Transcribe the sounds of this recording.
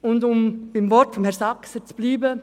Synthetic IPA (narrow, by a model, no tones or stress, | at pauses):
ʊndʊmb̥ɪmvɔɾtfɔmhɛɾsɑksət͡sub̥liːbə